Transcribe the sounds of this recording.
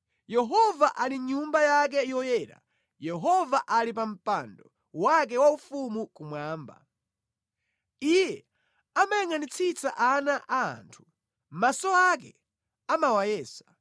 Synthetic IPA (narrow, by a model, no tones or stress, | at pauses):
jɛɦɔvaʔaliɲumbajak̬ɛjɔjɛːɾa̰ | jɛɦɔvaʔalip̬am̩pandɔ | wak̬ɛwaufumukumwaːmba̰ | ijɛ | amajaŋanit͡sʰit͡sa̰ʔanaʔa̰ːntʰu̥ | m̩masɔak̬ɛ | amawajɛːsḁ